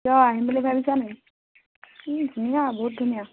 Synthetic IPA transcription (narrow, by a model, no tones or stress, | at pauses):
jɔaɦimbalɛbʱabisanaj | dʱunijabɔɦut̚dʱunija